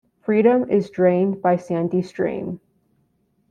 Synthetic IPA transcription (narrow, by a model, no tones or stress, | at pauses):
fɹiɾə̃mɪzdɹẽɪ̃nbaɪsæ̃ndistɹ̥ḭ̃m